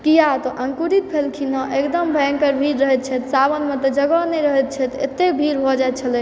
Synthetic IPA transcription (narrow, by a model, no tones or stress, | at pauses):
kijat̪ɔʔəŋkuɾit̪̚pʰelkʰinɔ̃ʔekd̪əmbʱəŋkəɾbʱiɾɾəɦɛt̪̚t͡ʃʰɛt̪sabənmẽt̪ɔd͡ʒəɡɔnɛɾəɦɛt̪̚t͡ʃʰɛt̪ḛt̪ːebʱiɾbʱɔd͡ʒajt̪̚t͡ʃʰəlɛ